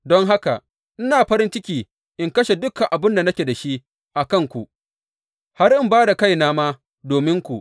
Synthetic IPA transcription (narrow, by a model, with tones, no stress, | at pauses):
dɔ˦ŋɦa˦ka˨ | ʔɪ˦naː˨ɸɐ˦ɾɪ˦nt͡ʃɪ˦kʲiː˨ | ʔɪ˦ŋkɐ˦ʃe˨dʊ˦kːa˨ʔa˨bɪ˦nda˨nɐ˦kʲe˨da˨ʃi˦ʔ | ʔa˨kɐ˦˨ŋkʷu˨ʔ | ha˦ɾʔɪ˦mbaː˦da˨ka˦˨jnaː˦maː˦ | doː˨mɪ˦ŋkʷu˨ʔ